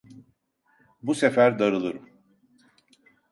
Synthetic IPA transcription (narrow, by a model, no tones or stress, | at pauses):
busefæɾd̪aɾɯlˠɯɾɯm